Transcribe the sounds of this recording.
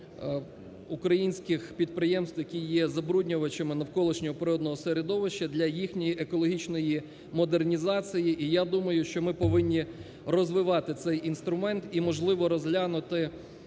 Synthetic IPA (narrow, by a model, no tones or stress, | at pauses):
ukɾɐjinʲsʲkɪxpʲid̪̚pɾɪjɛmst̪ʋjɐkʲijjːɛzɐbɾudʲnʲʊʋɐt͡ʃɐmɪnɐwkɔlˠɪʃnʲɔɦɔpɾɪɔd̪nɔɦɔseɾed̪ɔʋɪʃt͡ʃːɐd̪lʲɐjixnʲɔjiʔekɔlˠɔɦʲit͡ʃnɔji | mɔd̪ernʲizɑt͡sʲijiʔijad̪umɐjʊʃt͡ʃɔmɪpɔʋɪnʲːi | rɔzʋɪʋɑt̪ɪt̪sɛjʔinst̪ɾʊmɛnt̪imɔʒlˠɪʋɔɾɔzɦlʲanʊt̪ɪ